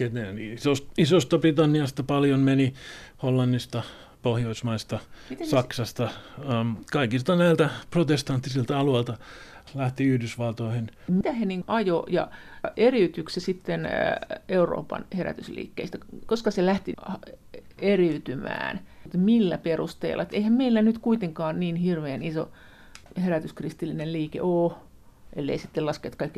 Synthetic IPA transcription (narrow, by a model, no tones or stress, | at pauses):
ket̪eisost̪isost̪ɑbrit̪ɑnːiɑst̪ɑpɑljonmeniholːɑnːist̪ɑ | pohjoismɑist̪ɑsɑksɑst̪ɑ | kɑikist̪ɑnæilt̪æprot̪est̪ɑnt̪ːisilt̪ɑɑluelt̪ɑ | læht̪iyhdysʋɑlt̪oihenmit̪æheniːŋɡʔɑjojɑ̰ | eriyt̪yksesit̪ːeneuro̰ːpɑ̰nheræ̰t̪yslḭːkːḛist̪ækoskɑselæht̪ih | eriyt̪ymæ̰ːnt̪milːæ̰perust̪ḛilːɑ̰t̪eihæmmeilːænyt̪kuit̪eŋkɑːnniːnhirʋeːniso̰ | heræt̪yskrist̪ilːinelliːkḛʔoː | ʔelːḛisit̪ːelɑskeːt̪kɑikː